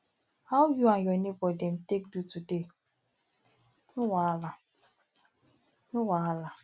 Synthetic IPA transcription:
hawjuajɔnebɔden̩tek̚dutude | nʊwala | nʊwaala

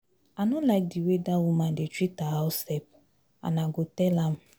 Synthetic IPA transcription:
anʊlaɪk̚diwedawumãdet͡ʃitaɦaʊsɛp̚ | a̰naɡotɛlam̩

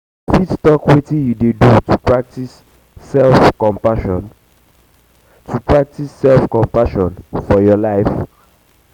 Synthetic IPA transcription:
fitstɔkwetĩjudedutupɹak̚tis | ɛlfkɔ̃mpaʃɔn | tʰupɹak̚tisːɛlfkɔ̃mpaʃɔ̃nfɔjɔlaɪf

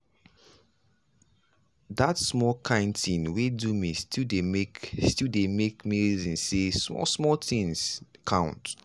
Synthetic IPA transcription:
datsmɔlkʰãɪ̃ndtʰĩnwedumistʰidemekstidemekmiɹizĩnsesmɔ̰smɔltĩnskʰãʊ̃nt

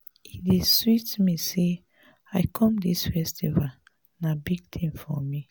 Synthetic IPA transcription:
ideswitmise | aɪkʰɔ̃mdisfɛstʰival | nabiɡ̚tʰĩnfɔmi

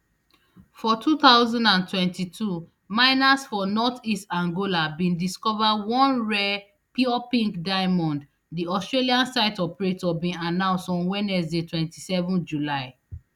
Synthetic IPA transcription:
fɔtʰuθaʊzɔ̃ndãntwɛ̃ntitʰu | maɪnasfɔnɔtistãŋɡolabĩndiskɔvawɔ̃nɹɛ | piɔpĩŋkdaɪmɔ̃nd | diɔstɹeliãnsaɪtɔpɹetɔbĩnanãʊ̃nstɔ̃nwɛnɛsdetʰwɛ̃ntisɛvɔ̃nd͡ʒulaɪ

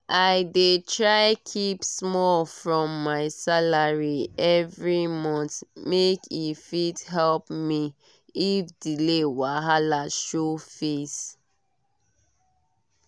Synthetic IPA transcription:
ʔaɪdetʰɹaɪkʰipsmɔlfɹɔ̃mːaɪsalaɹiɛvɹimɔ̃ntmekʰifidɦɛlpmi | ifdilewaɦalaʃofes

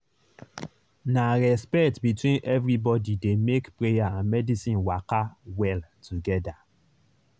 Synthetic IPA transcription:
naɹɛspɛtbitwĩnʔɛvɹibɔdidemekpɹejaãnmɛdisĩnwakawɛltʰuɡɛda

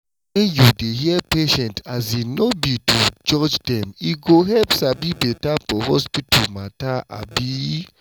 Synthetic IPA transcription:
ɛ̃njudeɦiɛpeʃɛ̃ntʰazinobitud͡ʒɔd͡ʒdɛ̃miɡoɦɛpsabibetapɔhɔspitʰumataʔa̰bi

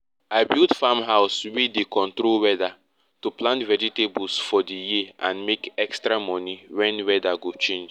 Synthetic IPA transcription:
aɪbildfamɦaʊswidekɔ̃ntɾolwɛda | tuplãntvɛd͡ʒitebɔlsfɔdijiãnmekɛkstɾamɔ̃niwɛ̃nwɛdaɡot͡ʃẽnd͡ʒ

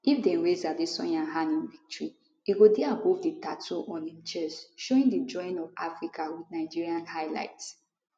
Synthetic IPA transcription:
ifdɛ̃nɹezadisɔ̰̃nãnɦãnĩnvik̚tɹi | iɡodɛabofditatʰoʔɔ̃nĩnt͡ʃɛsʃoĩŋdid͡ʒɔ̃ɪ̃nɔvafɹikawidnaɪd͡ʒiɹiãnhaɪla̰ɪts

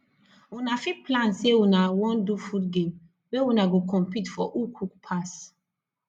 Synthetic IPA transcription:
wunafiplãnsewunawɔ̃ndufudɡẽm | wewunaɡokɔ̃mpitfɔ̰ʔukʰukpʰas

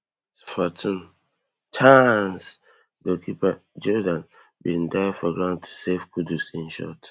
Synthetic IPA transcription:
sfɔtʰĩn | tʰãns | bokʰipad͡ʒɔdãn | bindafɔɡɹãʊ̃ntʰu̥sefkʰudusĩnʃɔ̰t

